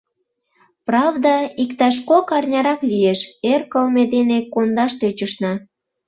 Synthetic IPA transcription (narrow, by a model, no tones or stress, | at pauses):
prɑvd̪ɑikt̪ɑʃ̬kokɑrnʲɑɾɑklijeʃerkəlmed̪enekond̪ɑʃt̪øt͡ɕəʃnɑ